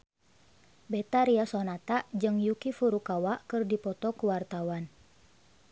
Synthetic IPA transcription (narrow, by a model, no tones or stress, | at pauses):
bɛt̪aɾiasɔnat̪aʔd͡ʒɨŋjukifuɾukawaʔkɨrdipɔt̪ɔkuwart̪awan